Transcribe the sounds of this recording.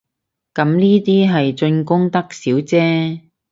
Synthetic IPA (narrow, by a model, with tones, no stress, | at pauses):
kɐ˨˥mniː˥t̪iː˥ɦɐ˨jt͡sɵ˧nkʊ˥ŋt̪ɐ˥k̚siː˨˥wt͡sɛː˥